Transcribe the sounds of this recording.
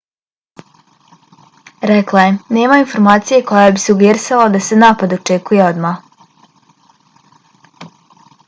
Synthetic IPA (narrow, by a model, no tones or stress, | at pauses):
ɾɛklˠajene̞ːmainfo̞ɾmaːt̪sijeko̞jabisuɡjeɾisalad̪ase̞naːpad̪o̞t͡ʃekuje̞o̞d̪ma